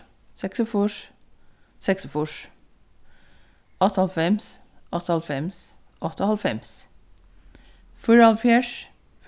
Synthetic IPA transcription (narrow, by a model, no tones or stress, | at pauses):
sɛksɔfuʂ | sɛksɔfuʂ | ʔɔt̪ʰːəhɑlfɛmsʔɔt̪ʰːhɑlfɛms | ʔɔt̪ʰːɔhɑlfɛms | fʉɹɑlfjæʂ | f